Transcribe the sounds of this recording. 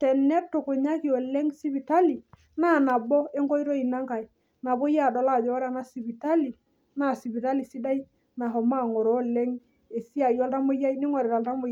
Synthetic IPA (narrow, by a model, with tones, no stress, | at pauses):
tɛ˨nɛ˦tːo˨ko˨ɲa˦ki˨ɔ˨lɛ˦ŋsi˦bi˨ta˦li˨ | na˦˨na˨bɔ˦e˦ŋɡɔ˦i˦ɾɔ˦i˨na˦ŋka˨i˨ | na˨bo˦ja˦˨dɔ˨la˦˨d͡ʒɔ˦ɾa˨na˦si˨bi˨ta˦li˨ | na˦˨si˨bi˨ta˦li˨si˦da˦i˦ | na˨ɦɔ˨ma˦˨ŋo˨ɾɔ˦lɛ˦ŋ | e˨si˦a˨jɔ˦lta˦mo˦ja˦i˦nɪ˦ŋɔ˨ɾe˨ɾa˨lta˦mo˨